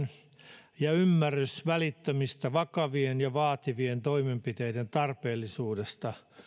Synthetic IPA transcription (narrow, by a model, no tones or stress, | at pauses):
n | jɑymːærːysʋælit̪ːømist̪æʋɑkɑʋienjɑʋɑːt̪iʋient̪oimempit̪eident̪ɑrpeːlːˑisuːdest̪ɑ